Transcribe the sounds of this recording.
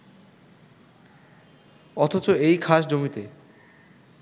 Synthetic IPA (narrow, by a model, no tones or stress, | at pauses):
ɔt̪ʰot͡ɕoejkʰaʃd͡ʑomit̪e